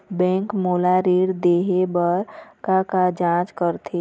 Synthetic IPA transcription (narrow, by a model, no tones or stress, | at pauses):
bɛ̃ːŋkmoːlaɾiːɾd̪eːɦebəɾkakad͡ʒãːt͡ʃkəɾt̪ʰe